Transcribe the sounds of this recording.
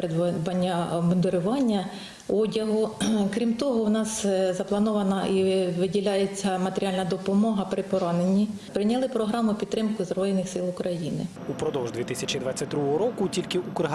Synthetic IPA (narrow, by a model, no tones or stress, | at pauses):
pɪd̪bɐnʲːɐbɔnd̪eɾʊʋɑnʲːɐ | ɔdʲɐɦʊkɾʲimt̪ɔɦɔwnɑszɐplˠɐnɔʋɐnɐiʋɪdʲilʲɑjet͡sʲːɐmɐt̪eɾʲiɑlʲnɐd̪ɔpɔmɔɦɐpɾɪpɔɾɑnenʲi | pɾɪnʲɐlˠɪpɾɔɦɾɑmʊpʲid̪ːɾɪmkʊzrɔjɪnɪxsɪlˠʊkɾʔɐjinɪ̰ | upɾɔd̪ɔwʒd̪ʋʲit̪ɪsʲɐt͡ʃʲid̪ʋat͡sʲːɐt̚ʲd̪ɾuɦɔɦɔɾɔkʊtʲilʲkɪukɦ